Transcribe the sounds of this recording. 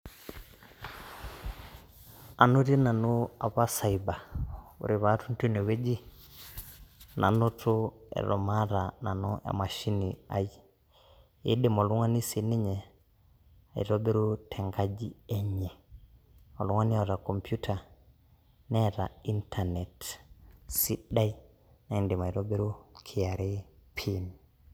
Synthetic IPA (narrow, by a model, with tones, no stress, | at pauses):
a˨nu˦ɾi˦na˨nu˦a˨βa˦sa˨iba˨ṵ˨ɾi˨βa˦tu˦n̩˦tu˦nɛ˨wɛ˦d͡ʒi˦ | nʔa̰˨nɔ˦tʰu˦ɛ̰˨ɾɔ̰˨ma˦ɾana˨nɔ˦a̰˨ma˨ʃi˦nia̰˨ji˨ | ḛ˦dɛ˦mɔ˨lu˦ŋwa˦ni˦si˨ni˦ɲɛ˨ | a˨ḭ˨ɾɔ˦be˦ɾu˦tʰɛ˨ŋɡa˦d͡ʒi˦ɛ˦ɲɛ˨ | ɔ˨lu˦ŋa˦ni˦ɔ˨ɾa˨kɔ˨mpʰju˦tʰa˨ | nɛ˦ɾa̰˨i˦ntʰa˨nɛ˨t | si˦ɗa˦i˦ | na˨i˦nde˨ma˨i˨ɾɔ˦be˦ɾu˦kʰi˨a˨ɾe˦pʰi˦ni